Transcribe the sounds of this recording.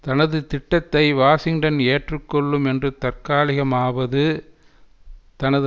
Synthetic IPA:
t̪ɐnɐðɯt̪ɪʈːɐt̪ːɐɪʋaːsɪŋɖɐneːʈrɯkːɔɭːɯmɛndrɯt̪ɐrkaːlɪɣɐmaːʋɐðɯ | t̪ɐnɐð

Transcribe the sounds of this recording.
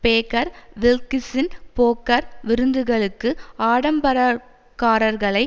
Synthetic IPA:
peːkɐɾʋɪlkɪsɪnpoːkːɐɾʋɪɾɯnd̪ɯɣɐɭɯkːɯaːɽɐmbɐɾɐ | kaːɾɐɾɣɐɭɐɪ

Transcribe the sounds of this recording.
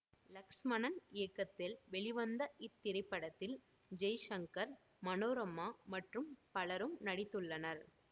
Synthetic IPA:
lɐksmɐnɐnɪjɐkːɐt̪ːɪlʋɛɭɪʋɐnd̪ɐʔɪt̪ːɪɾɐɪpːɐɽɐt̪ːɪl | d͡ʒɐjʃɐŋkɐɾ | mɐnoːɾɐmːaːmɐʈrɯmpɐɭɐɾɯmnɐɽɪt̪ːɯɭːɐnɐɾ

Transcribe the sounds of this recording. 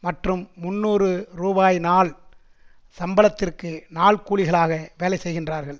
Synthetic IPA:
mɐʈrɯmːʊnːuːrɯɾuːbaːjnaːɭ | sɐmbɐlɐt̪ːɪrkɯnaːɭkuːɭɪɣɐɭaːɣɐʋeːlɐɪsɛjɣɪndraːɾɣɐɭ

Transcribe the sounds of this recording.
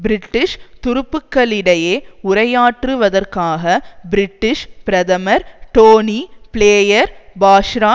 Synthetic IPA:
bɪɾɪʈːɪʂt̪ʊɾʊpːɯkːɐɭɪɽɐjeːʊɾɐjaːʈrɯʋɐðɐrkaːɣɐbɾɪʈːɪʂpɪɾɐðɐmɐɾʈoːnipɪɭeːjɐɾbaːʂɾaː

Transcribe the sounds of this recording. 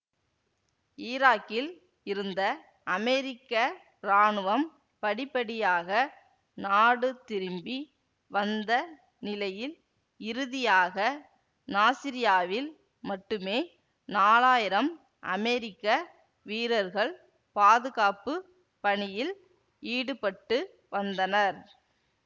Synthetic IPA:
ɪːɾaːkːɪl | ɪɾɯnd̪ɐ | ʔɐmɛɾɪkːɐ | ɾaːɳɯʋɐm | pɐɽɪpːɐɽɪjaːɣɐ | naːɽɯt̪ɪɾɯmbi | ʋɐnd̪ɐ | nɪlɐjɪl | ɪɾɯðɪjaːɣɐ | naːsɪɾɪjaːʋɪl | mɐʈːɯmeː | naːlaːjɪɾɐm | ʔɐ̰mɛɾɪkːɐ | ʋiːɾɐɾɣɐɭ | paːðɯɣaːpɯ | pɐɳɪjɪl | iːɽɯpɐʈːɯ | ʋɐnd̪ɐnɐɾ

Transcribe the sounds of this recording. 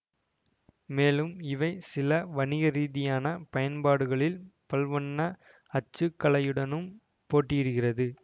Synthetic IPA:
meːlɯmɪʋɐɪsɪlɐʋɐnɪɣɐɾiːðɪjaːnɐpɐjɐnpaːɽɯɣɐɭɪlpɐlʋɐɳːɐ | ɐt͡ʃːɯkːɐɭɐjɯɽɐnɯm | poːʈːɪjɪɽɯɣɪrɐðɯ

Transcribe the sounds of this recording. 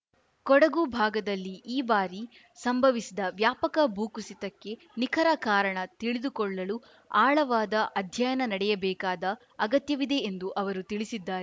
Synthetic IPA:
kɔɽɐɡubʱaːɡɐd̪ɐlːiːbaːɾi | sɐmbʱɐʋisid̪ɐʋjaːpɐkɐbʱuːkusit̪ɐkːe̞ | nikʰɐɾɐkaːɾɐɳɐt̪iɭid̪ukɔɭːɐlu | aːɭɐʋaːd̪ɐʔɐd̪ʱjɐjɐnɐnɐɽɛjɐbɛːkaːd̪ɐː | ɡɐt̪jɐʋid̪e̞ːnd̪uʔɐʋɐɾut̪iɭisid̪ːaːɾe

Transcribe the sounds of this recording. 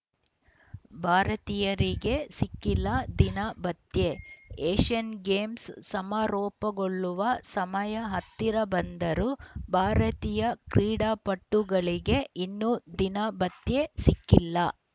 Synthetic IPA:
bʱaːɾɐt̪ijɐɾiɡe̞sikːilːɐd̪inɐbɐt̪je̞eːʃɐnɡeːmssɐmaːɾɔːpɐɡoɭːuʋɐsɐmɐjɐɦɐt̪ːiɾɐbɐnd̪ɐɾubʱaːɾɐt̪ijɐkɾiːɽaːpɐʈːuɡɐɭiɡe̞ʔinːud̪inɐbɐt̪je̞sikːilːɐ

